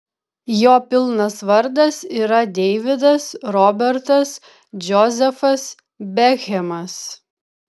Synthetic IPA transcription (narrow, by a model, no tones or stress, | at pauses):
joːpʲɪlˠnɐsʋɐɾd̪ɐsiːɾɐd̪ʲɛɪʋʲɪd̪ɐsɾɔːbʲɛɾt̪ɐs | d͡ʒʲɔzʲɛfɐs | bʲɛxʲɛmɐs